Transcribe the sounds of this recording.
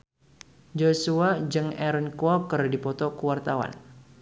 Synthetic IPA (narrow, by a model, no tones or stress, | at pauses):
d͡ʒosuad͡ʒɨŋɛɾɔnkuɔkərdipɔt̪ɔkuwart̪awa̰n